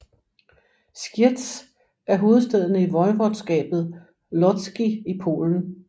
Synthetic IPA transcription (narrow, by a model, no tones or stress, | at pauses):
sɡ̥jid̥s | æɐɦo̝ːð̞̩ˠsd̥eð̞ˠənəiʋɒ̽ɪʋɒd̥sɡ̥ɛ̰ːb̥ð̞̩ˠ | lɒdsɡ̥iipʰo̝̰ːln̩